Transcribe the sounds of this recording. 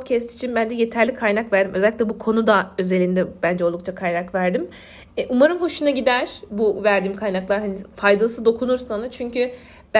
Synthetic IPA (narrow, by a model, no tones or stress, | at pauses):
t̪cʰɛst̪ʰi̥t͡ʃʰinbænd̪ɛje̞t̪ʰæɾlʲikʰajnakvæɾd̪imʔø̞zælʲːi̥clʲɛbukʰo̞nud̪aø̞zelʲind̪ɛbænd͡ʒɛolˠuk̚t͡ʃʰakʰajnakvæɾd̪im | ɛʔumaɾɯmɦo̞ʃunaɟid̪æɾ̥buvæɾd̪iːmkʰajnaklˠaɾhanifajd̪alˠɯsɯd̪o̞kʰunuɾsanɯt͡ʃʰyɲcy | b̥